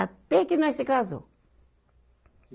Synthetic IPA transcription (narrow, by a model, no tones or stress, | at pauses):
at̪ɛkinɐ̃esɪkazʊ̰